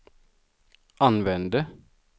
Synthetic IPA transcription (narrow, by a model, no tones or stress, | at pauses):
ʔɑnʋɛnd̪ə